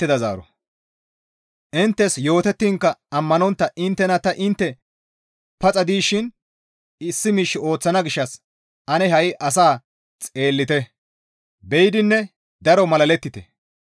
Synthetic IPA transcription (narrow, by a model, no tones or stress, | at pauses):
ɪd̪ɐza̰ːɾɔ̰ | ʔɪnt̪ːɛsjo̞ːt̪ɛt̪ːiːŋkːɐɐmːɐnɔnt̪ːɐʔɪnt̪ːɛnɐt̪ɐʔɪnt̪ːɛ | pɐt͡sʼɐd̪iːʃɪn | ɪsːɪmiːʃːɪo̞ːt͡sːɐnɐɡɪʃːɐs | ɐnɛɦɐjʔɐs̬aː | t͡sʼe̞ːlːɪt̪ɛ | bɛjd̪ɪnːɛ | d̪ɐɾɔmɐlɐlɛt̪ːɪt̪ɛ